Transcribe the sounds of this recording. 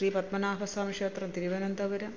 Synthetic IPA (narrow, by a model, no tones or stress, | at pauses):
ʃɾiːpɐt̪mɐnaːʋɐsaːmiʂeːt̪ɾɐd̪iɾiʋɐnɐnd̪ɐʋɐɾɐ